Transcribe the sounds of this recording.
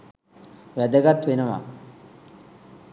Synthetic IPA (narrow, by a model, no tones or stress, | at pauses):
ʋæd̪əɡat̪ːʋenəʋa̰